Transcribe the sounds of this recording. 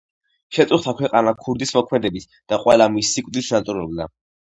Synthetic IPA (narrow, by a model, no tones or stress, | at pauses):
ʃɛt̪sʼuχt̪ʰakʰwɛqʼanakʰuɾd̪ismɔkʰmɛd̪ɛbit̪ʰ | d̪̥aqʼwɛlamisːikʷʼd̪isnat̪sʼuɾɔbd̪a̰